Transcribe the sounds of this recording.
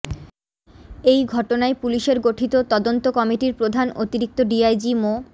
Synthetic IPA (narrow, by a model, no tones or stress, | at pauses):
ejɡʱɔʈonaepuliʃeɾɡoʈʰit̪ot̪ɔd̪ont̪okɔmiʈiɾpɾod̪ʱanot̪iɾik̚t̪oɖiajd͡ʑimo